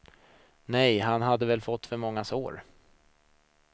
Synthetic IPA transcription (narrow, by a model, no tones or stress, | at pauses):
nɛjɦanɦad̪ːəvɛlfɔt̪ːfœɾmɔŋːasoːɾ